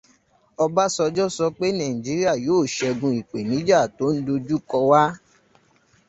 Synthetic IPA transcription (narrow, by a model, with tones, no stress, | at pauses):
ɔ˧ba˦sɔ˧d͡ʒɔ˦sɔ˧k͡pe˦nã˨ĩ˨d͡ʒi˨˦ɾi˦a˦˨joː˨˦˨ʃɛ˧ɡũ˧i˨k͡pe˨nĩ˨˦d͡ʒa˦˨to˨˦n̩˦do˧d͡ʒu˦kɔ˧wa˦